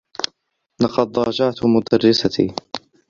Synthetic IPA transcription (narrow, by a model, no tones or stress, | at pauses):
lɑqɑd̪ˤɾˤɑːd͡ʒɑʕt̪mʊd̪arːɪsat̪ʰḭː